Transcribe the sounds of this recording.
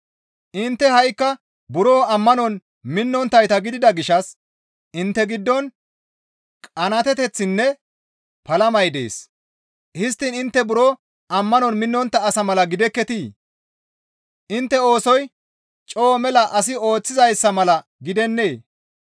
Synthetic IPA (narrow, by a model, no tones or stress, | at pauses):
ʔɪnt̪ːɛhɐjkːɐ | bʊɾo̞ːɐmːɐnɔn | mɪnːɔnt̪ːɐjt̪ɐɡɪd̪ɪd̪ɐɡɪʃɐs | ʔɪnt̪ːɛɡɪd̪ːɔn | kʼɐnɐt̪ɛt̪ɛt͡sːɪnːɛ | pɐlɐmɐjd̪e̞̰ːs | hɪs̬t̪ːiːnɪnt̪ːɛbʊɾoː | ʔɐmːɐnɔnmɪnːɔnt̪ːɐːsɐmɐlɐɡɪd̪ɛkːɛt̪iː | ʔɪnt̪ːɛo̞ːsɔj | t͡ʃʼo̞ːmɛlɐʔɐsɪo̞ːt͡sːɪzɐjsːɐmɐlɐ | ɡɪd̪ɛnːeː